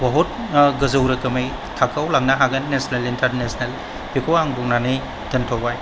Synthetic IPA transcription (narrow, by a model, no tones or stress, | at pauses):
baɦut̚ | ɡɐzɐwɾɐkɐmɯj | tʰakʰawlaŋnaɦaɡɐnnesnelintʰaɾnesnel | bikʰowaŋbuk̚nani | d̥ɯntʰawbaj